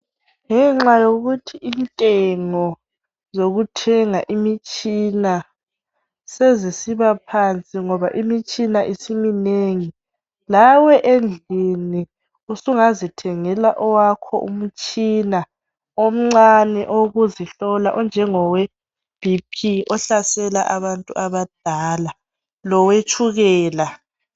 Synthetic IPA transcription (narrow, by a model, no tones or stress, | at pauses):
ŋɛŋ͡ǁajoɣutʰiintʼɛŋɔ | zoɣutʰɛŋaʔimit͡ʃʼina | sezisiβapʰant͡sʼiŋɔβaʔimit͡ʃʼinaʔisimineŋi | lawɛʔend͡ɮʱini | usuŋazitʰɛŋɛlaʔɔwakʰɔ̰ʔṵm̩t͡ʃʼiːna | om̩ŋ͡ǀanɛʔoɣuziɬɔlaʔɔnd͡ʒʱɛŋɔwɛ | b̥ʱipʰiɔɬasɛlaʔaβantʼuaβad̥ʱaːla | lɔwet͡ʃʰʼuɣɛːla